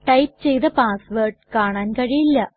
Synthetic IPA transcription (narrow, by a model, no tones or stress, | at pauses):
ʈɐjp̚t͡ɕejt̪ɐpaːsʋɐrʈ̚kaːɳaːnkɐɻijilːɐ